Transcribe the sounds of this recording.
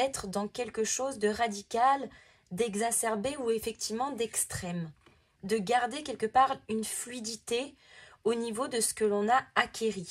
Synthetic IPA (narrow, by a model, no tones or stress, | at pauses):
ɛt̪χəd̪ɑ̃kʲɛlkəʃozd̪əʁad̪ikʲal | d̪ɛɡzasɛʁbeuefɛk̚t̪ivmɑ̃d̪ɛkst̪χɛm | d̪əɡaʁd̪ekʲɛlkəpaʁynflɥid̪it̪e | onivod̪əsə̥kəlɔ̃naːkʲeʁi